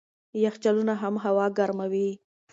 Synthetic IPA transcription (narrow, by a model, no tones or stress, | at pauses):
jaxt͡ʃalunaɦamɦawɑɡaɾmawi